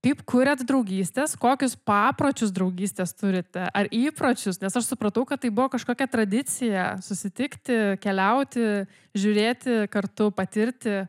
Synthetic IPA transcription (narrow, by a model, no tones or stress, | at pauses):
kɐɪpkʊɾʲɛt̪d̪ɾɐʊɡʲiːsʲt̪ʲeːskoːkʲʊspɑːpɾoːt͡ʃʲʊsd̪ɾɐʊɡʲiːsʲt̪ʲeːst̪ʊɾʲɪt̪ʲɛʔɐɾiːpɾoːt͡ʃʲʊsnʲɛsɐʃsʊpɾɐt̪ɐʊkɐt̪tɐɪbʊʋoːkɐʃkoːkʲɛt̪ɾɐd̪ʲɪt̪t͡s̪ʲɪjɛsʊsʲɪt̪ʲɪkt̪ʲɪkʲɛlʲɛʊt̪ʲɪ | ʒʲʊɾʲeːt̪ʲɪkɐrt̪ʊpɐt̪ʲɪɾʲt̪ʲɪ